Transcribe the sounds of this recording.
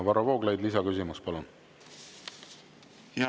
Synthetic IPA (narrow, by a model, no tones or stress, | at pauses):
vɑɾɑvoːɡ̥lɑjd̪lis̬ɑkysʲimuspɑlun | j